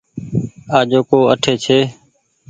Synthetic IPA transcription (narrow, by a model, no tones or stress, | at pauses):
aːd͡ʒoːkoːəʈʰeːt͡ʃʰeː